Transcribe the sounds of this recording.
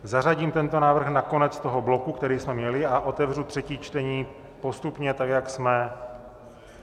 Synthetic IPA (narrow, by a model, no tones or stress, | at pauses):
zar̝aɟiːmt̪ɛnt̪o̞naːvr̩xnako̞nɛt͡st̪o̞ɦo̞blo̞kukt̪ɛɾiːsmɛmɲɛlɪʔaʔo̞t̪ɛvrut̪r̝̥ɛciːt͡ʃt̪ɛɲiː | po̞st̪upɲɛt̪akjaksmɛ